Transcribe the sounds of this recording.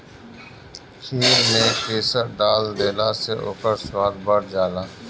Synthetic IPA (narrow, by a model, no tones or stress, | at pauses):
kʰiːɾnekeːsəɾɖaːld̪eːlaseʔo̰ːkəɾswaːd̪̚bəɾd͡ʒaːlaː